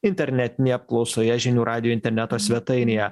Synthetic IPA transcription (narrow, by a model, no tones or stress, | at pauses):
ɪnʲt̪ʲɛɾʲnʲɛt̪ʲɪnʲeːjɛɐp̚klˠɒʊsoːjɛʒʲɪnʲuːɾʔɑːd̪ʲɪjoɪnʲt̪ʲɛɾʲnʲɛt̪oːsʲʋʲɛt̪ɐɪnʲejɛ